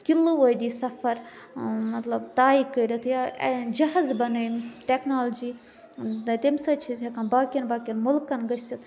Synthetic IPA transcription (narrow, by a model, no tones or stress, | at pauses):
kilɨʋojd̪ʲisɐfɐɾ | mɐt̪lɐbt̪aːikəjd̪ʲɐt̪ʰjad͡ʒɐɦɐzbɐnɐmisʈʲeknaːld͡ʒi | t̪ʲemsɐt͡ʃʰizʲɦɐkɐnbaːkʲɐnbaːkʲɐnmʊlkɐnɡɐsʲit̪ʰ